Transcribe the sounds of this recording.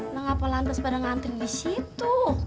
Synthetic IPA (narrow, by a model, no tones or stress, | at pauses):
nəŋapalant̪əspadaŋant̪iŋdisit̪u